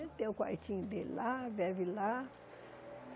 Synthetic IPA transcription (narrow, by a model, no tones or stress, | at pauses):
t̪ẽʊka̰ɾt͡ʃĩɲʊd̪elavɛvila